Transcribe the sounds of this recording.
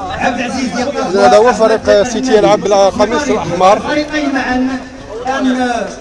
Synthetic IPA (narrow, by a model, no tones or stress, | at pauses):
ʕabd̪ʕzizzæd̪æwæfæɾiqsit̪jəlʕablqɑmisəlʔəħmɑɾˤmʕn | n